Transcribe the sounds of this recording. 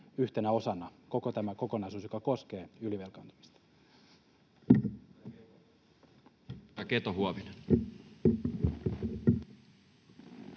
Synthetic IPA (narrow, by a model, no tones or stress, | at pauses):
yht̪enæo̞sɑnːɑko̞kot̪æmæko̞konɑˑisuːsjokɑko̞ske̞ːyliʋelkɑnt̪u̥mi̥st̪ɑ̥ | ɑket̪oɦuɑʋine